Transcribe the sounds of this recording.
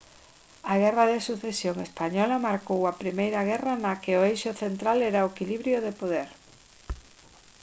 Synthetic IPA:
ɐɣ̞ɛrɐðesuθesjoŋespaɲɔlɐmaɾkowɐpɾimejɾɐɣ̞ɛrɐnakɪoejʃʊθent̪ɾalɛɾaekiliβɾjoðepoðɛɾ

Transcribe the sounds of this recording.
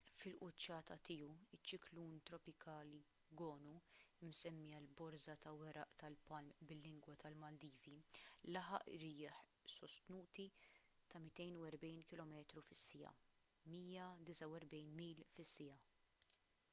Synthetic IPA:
fɪlʔʊt͡ʃːɐːt̪ɐt̪iːuɪt͡ʃːɪkluːnt̪ɾɔpɪkʰɐːli | ɡɔːnuɪmsɛmːiɐlbɔɾzɐt̪ɐwɛɾɐ̰ʔt̪ɐlpɐlmbɪlːɪŋɡwɐt̪ɐlmɐld̪iːvilɐħɐ̰ʔɾɪːħ | sɔst̪nuːt̪i | t̪ɐmɪt̪ɛjnuwɛɾbɛjnkɪlɔmɛːt̪ɾufɪsːɪjɐ̰ | miːjɐd̪ɪsɐwɛɾbɛjnmiːlfɪsːɪjɐ

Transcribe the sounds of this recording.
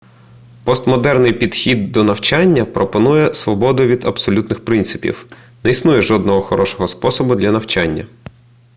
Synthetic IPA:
pɔst̪mɔd̪ɛrnɪjpʲid̪xʲid̪ːɔnɐwt͡ʃɑnʲːɐpɾɔpɔnujɛsʋɔbɔd̪ʊʋʲid̪ɐbsɔlʲut̪nɪxpɾɪnt̪sɪpʲḭw | nɛisnujɛʒɔd̪nɔɦɔxɔɾɔʃɔ̥ɦɔspɔsɔbʊd̪lʲɐnɐwt͡ʃɑnʲːɐ̰

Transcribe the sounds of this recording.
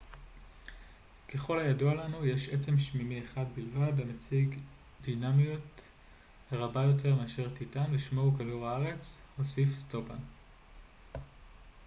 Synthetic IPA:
ke̞χo̞lhajadoalanuje̞ʃet͡se̞mʃmimieχadbilvadlamat͡siɡ | d̪inamijot | eʁabajo̞t̬ʰe̞ʁmeaʃeʁtitamliʃmoukaduʁaaʁe̞t͡sho̞sifsto̞ban

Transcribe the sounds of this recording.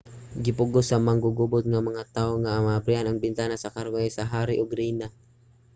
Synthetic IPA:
ɡipuɡusamaŋɡuɡubʊt̪̚ŋaməŋat̪auŋaːmabɾianəŋbint̪anasakarɡaisaɦaɾiʔuɡɾina

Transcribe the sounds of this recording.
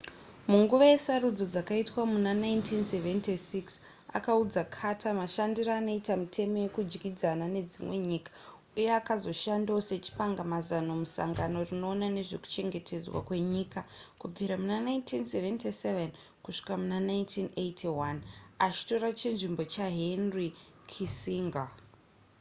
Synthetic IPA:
muŋɡuʋaje̞sarud͡zo̞d͡zakaitwamunanajntʰinseventisiks | a̰kaud͡zakʰatʰamaʃandiraːno̞itamitʰe̞mo̞je̞kud͡ʒɡid͡zanane̞d͡zimwe̞ɲiːkḁ | ujeakazo̞ʃandose̞t͡ʃi̥paŋɡamazano̞musa̰ŋɡano̞rino̞ːnane̞ʐe̞ku̥t͡ʃe̞ŋɡe̞tʰe̞d͡zwa̰kwe̞ɲiːkakub͡viɾamunanaintinseventiseven | kuʂi̥kamunanajntʰinejtʰiwanat͡ʃi̥to̞ɾat͡ʃinʐimbo̞t͡ʃaɦenrikʰisiŋɡa

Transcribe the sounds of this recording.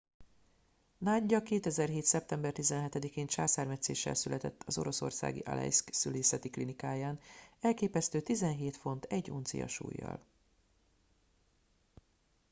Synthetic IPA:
naːɟːɒkeːt̪ɛzɛrɦeːt̪sɛp̚t̪ɛmbɛrt̪izɛnɦɛt̪ɛd̪ikeːnʃaːsaːrmɛt̪sḛːʃːɛ̰lsylɛt̪ɛt̪ːʰɒzo̞̰ɾo̞so̞̰rsa̰ːɡḭʔɒ̰lɛ̰jsksyleːsɛt̪iklinikaːjaːnɛlkeːpɛst̪øːt̪izɛnɦeːt̪fo̞nt̪ʰɛɟːṵnt̪sḭjɒ̰ʃṵːjːɒ̰l

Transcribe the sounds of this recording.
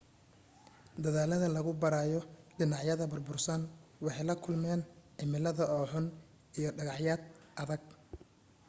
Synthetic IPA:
d̪ɐðaːlɐðɐlɐɣʊbɐɾaːjɔɖɪnɑʕjɐðɐbʊrbʊrsɐnwɑħɑjlɐkʰʊlmɛːnʕɪmɪlɐðɐɔːħʊn | ijɔɖɐɣɑħjaːd̪̚ɐðɐɡ̚

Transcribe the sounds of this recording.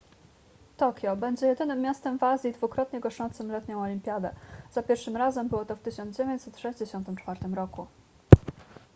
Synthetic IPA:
t̪ɔkʲjɔbɛɲd͡ʑɛjɛd̪ɘnɘmːjast̪ɛmvazʲjid̪vukɾɔt̪ɲɛɡɔʂɔnt̪sɘmlɛt̪ɲɔ̃w̃ɔlʲimʲpʲjad̪ɛ̰z̥apʲjɛɾfʂɘmɾazɛmbɘwɔt̪ɔft̪ɘɕɔ̃ndzd͡ʑevjeɲt͡ɕsɛt̪ʂɛʑd͡ʑeɕɔnt̪ɘmt͡ʂfaɾt̪ɘmɾɔku

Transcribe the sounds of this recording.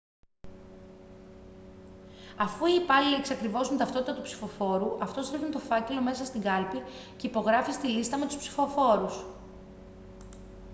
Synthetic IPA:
ɐfuiːpɐlileeksɐkɾivo̞zmet̪ɐft̪o̞t̪it̪ɐt̪upsi̥fo̞fo̞ɾuʔɐft̪o̞sɾiɣnit̪o̞fɐce̞lo̞me̞sɐst̪iɡɐlpi | ce̞ipo̞ɣɾɐfist̪ilist̪ɐme̞t̪uspsi̥fo̞fo̞ɾus

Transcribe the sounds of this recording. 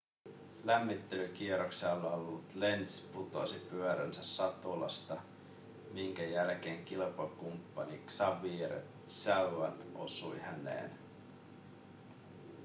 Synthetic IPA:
læmːit̪ːe̞lyk̟ieɾokseolːɑolːut̪le̞nt̪sput̪o̰sipyøɾæ̰nsæsːɑt̪olɑ̰st̪ɑ | miŋk̟æjælk̟e̞ːŋk̟ilpɑkumpːɑniksɑʋiːɾḛ | sæʋæt̪ʔo̞̰sujhænḛːn

